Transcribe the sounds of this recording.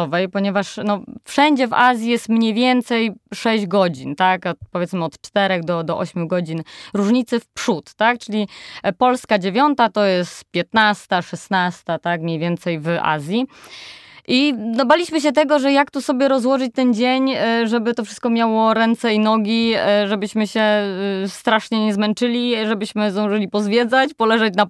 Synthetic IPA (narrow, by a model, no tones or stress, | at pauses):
ɔvɛjpɔɲɛvaʂnɔfʂɛɲd͡ʑɛvazʲjijɛst̪mɲejvʲjɛnt̪sɛjʂɛʑd͡ʑɡɔd͡ʑint̪akɔt̪pɔvʲɛt̪mɘɔt̪t͡ʂt̪ɛɾɛɣd̪ɔd̪ɔʔɔɕmʲuɡɔd͡ʑinɾuʐɲit̪sɛfpʂut̪ːakt͡ʂɘlʲipɔlskad͡ʑevʲjɔnt̪at̪ɔjɛst̪pʲjɛt̪nast̪aʂɛsnast̪at̪akmɲejvʲjɛnt̪sɛjvʔa̰zʲji | ʔid̪ɔbalʲiɕmɘɕ̬ɛt̪ɛɡɔʐɛjakt̪usɔbʲjɛɾɔzwɔʐɘt͡ɕt̪ɛnd͡ʑeɲʐɛbɘt̪ɔfʂɘst̪̚kɔmʲjawɔɾɛnt̪sɛinɔɡʲiʐɛbɘɕmɘɕɛst̪ɾaʂɲɛɲɛzmɛnt͡ʂɘlʲiʐɛbɘɕmɘzd̪ɔ̃w̃ʐɘlʲipɔzvʲjɛd̪zat͡ɕpɔlɛʐɛt͡ɕna